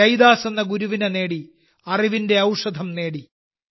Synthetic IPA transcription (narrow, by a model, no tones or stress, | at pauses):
ɐjd̪aːsenːɐɡuɾuʋinene̞ːɽi | ɐriʋinde̞ɐwʂɐd̪ʱɐmne̞ːɽi